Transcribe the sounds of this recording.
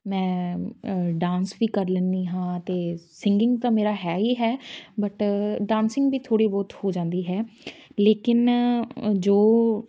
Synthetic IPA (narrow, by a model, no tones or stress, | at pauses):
mɛ̃ː | ɖãːnsbiːkəɾlənd̪iːɦãːt̪eːsɪŋɡɪ̃ŋɡt̪ãːmeːɾaːɦɛːɦiːɦɛːbəʈɖãːnsɪ̃ŋɡbiːt̪ʰoːɽiːbɔːt̪hoːd͡ʒãːnd̪iːɦɛːleːkɪn | d͡ʒoː